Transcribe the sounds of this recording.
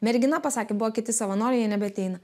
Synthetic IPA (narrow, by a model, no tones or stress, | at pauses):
mʲɛɾʲɡʲɪnɐpɐsɑːkʲeːbʊʋoːkʲɪt̪ʲɪsɐʋɐnoːɾʲɛjɛnʲɛbʲɛɐt̪ʲɛɪnɐ